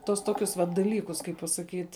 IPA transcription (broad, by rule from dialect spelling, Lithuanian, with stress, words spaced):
tuɔs ˈtoːkʲʊs ʋɐt dɐˈlʲiːkʊs kɐɪp pɐsɐˈkʲiːtʲ